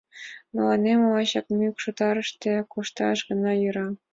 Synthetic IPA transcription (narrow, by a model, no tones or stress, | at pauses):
nɤ̆lɑnemɤlɑɕɑkmykʃut̪ɑɾə̆ʃt̪ĕkuʃt̪ɑ̰ʃɡɤ̆nɑjuɾɑ